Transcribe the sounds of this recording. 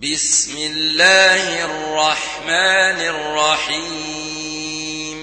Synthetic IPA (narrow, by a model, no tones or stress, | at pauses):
bɪsmɪlːaːhrːɑħ | maːnɪrːɑħiː | m